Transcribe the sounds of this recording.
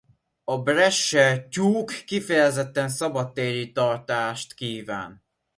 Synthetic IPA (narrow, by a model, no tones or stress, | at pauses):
ɒbrɛʃːɛcuːkːifɛjɛzɛt̪ːɛnsɒbɒt̪ːeːɾit̪ɒrt̪aːʃt̪kiːva̰ːn